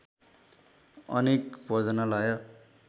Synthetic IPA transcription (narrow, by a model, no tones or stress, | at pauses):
ʌ̰nekbʱʌd͡zʌnʌlajʌ